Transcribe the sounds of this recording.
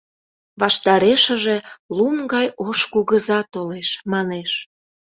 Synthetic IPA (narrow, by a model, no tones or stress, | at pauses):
βɑʃt̪ɑɾeʃəʒe̽lumɡɑjoʃkuɣəzɑt̪oleʃmɑneʃ